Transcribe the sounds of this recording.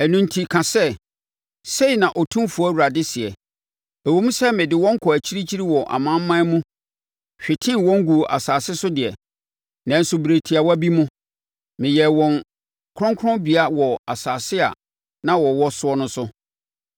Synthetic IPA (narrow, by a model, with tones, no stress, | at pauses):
ɛ˨nũ˨˦ntʰi˦kʰã˨sɛ˦ | se˦i˨nã˨ʔɔ˨tʰũ˦fu˨˦ɔ˦wu˨ɾa˨dɪ˦sɪ˨ɛ˨ | æ˨wo˨mũ˦sɛ˦mɪ̃˨dɪ˨wɔ̃˦ŋ̩˦kʰɔ˨æ˨t͡ɕʰi˦ɾi˦t͡ɕʰi˦ɾi˦wɔ˨ʔa̰˨mã˦m˦mã˦mũ˦ | ɕᶣɪ˨tʰɪ̃˦wɔ̃˦ŋ˦ɡu˨ʔa̰˨saː˨sɪ˦sʊ˦dɪ˨ɛ˨ | nã˨n̩˨sʊ˨bɾe˨tʰi˨a˨wɔ˦bi˦mʊ̃˦ | mɪ̃˨jɛ˨wɔ̃˨ŋ | kʰɾɔ̃˦ŋkʰɾɔ̃˦bi˨a˦wɔ˨a˨saː˨sɪ˦a̰˨ | nã˦wɔ˨wɔ˦sʊ˦ɔ˦nʊ̃˦sʊ˦